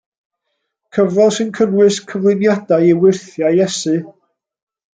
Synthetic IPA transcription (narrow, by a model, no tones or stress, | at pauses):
kʰəvrɔlˠsɨnkʰənwɨskʰəvlˠɪnjad̥ajiwɪrθjajjɛsɨ